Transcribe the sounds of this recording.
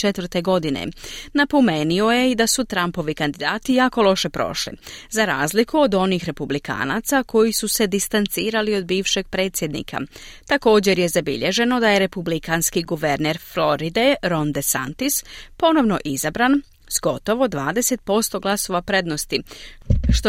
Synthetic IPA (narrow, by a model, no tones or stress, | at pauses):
t͡ʃet̪ʋr̩t̪e̞ɡo̞d̪inḛnapomenio̞je̞id̪asut̪ɾampo̞ʋikand̪id̪aːt̪ijaːko̞lˠo̞ʃe̞pɾo̞̰ʃlḭzaɾaːzlikuod̪o̞nixɾe̞publika̰ːna̰t̪sakʰo̞jisuse̞d̪ist̪ant̪siːɾalio̞d̪biːʋʃe̞ɡ̚pɾe̞ːt̪sje̞d̪nḭːkʰa̰t̪ako̞ːd͡ʑe̞ɾje̞zabḭʎe̞ʒe̞no̞d̪aje̞ɾe̞publikanskiɡuʋe̞ɾneɾflo̞ɾid̪e̞ɾo̞nd̪esa̰nt̪ispo̞no̞ʋno̞ʔizabɾan | z̥ɡo̞t̪o̞ʋo̞d̪ʋaːd̪e̞se̞t̪̚po̞st̪o̞ɡlˠaso̞ʋapɾe̞d̪no̞st̪i | ʃt̪